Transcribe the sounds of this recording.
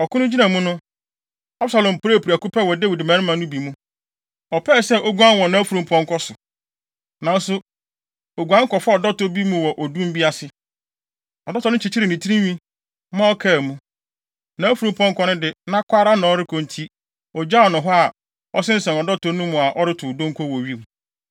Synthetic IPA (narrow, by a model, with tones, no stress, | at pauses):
ɔ˨kʰʊ˦nʊ̃˦d͡ʑi˦nã˨mũ˦nʊ̃˦ | a˦bsa˨lɔ̃˨m˨pɾe˦˨pʰu˨a˨ku˦pʰɛ˦wɔ˨de˦wi˨dɪ˨mã˨˦ɪ̃˦mã˨˦nʊ̃˦bi˨mũ˦ | ɔ˨pʰɛ˦˨sɛ˦o˦ɡu˦ã˦nwɔ̃˨nã˦fu˨ɾũ˨mpʰɔ̃˦ŋ̩˦kʰɔ˦sʊ˨ | nã˨n˦sʊ˦ | o˨ɡʷu˨ã˦ŋ̩˦kɔ˨fa˦ɔ˨dɔ˦tɔ˦bi˦mũ˨wɔ˨ʔɔ˨dũ˦m̩˦bi˦a˦sɪ˦ | ɔ˨dɔ˦tʰɔ˨n˦ʊ̃˦t͡ɕʰi˨t͡ɕʰi˦ɾɪ˨nĩ˨tʰi˦ɾĩ˦ɲĩ˦ | mã˦ɔ˦kʰɛ˦˨mũ˦ | nãː˨˦fu˨ɾũ˨m˨pʰɔ̃˦ŋ̩˦kʰɔ˦nʊ̃˦dɪ˨nã˦kʷʰa˦ɾa˦nã˨ɔ˦ɾɪ˦kʰɔ̃˨n˨tʰi˦ | ɔ˨d͡ʑa˦ɔ˨nʊ̃˨ɦɔ˦a˨ | ɔ˦sɪ̃˦n̩˦sɛ̃˨nɔ˨dɔ˦tʰɔ˨nũ˦mũ˨a˨ʔɔ˦ɾɪ˦tʰʊ˨dõ˦ŋ̩˦kʰɔ˦˨wɔ˨ɥi˦mũ˨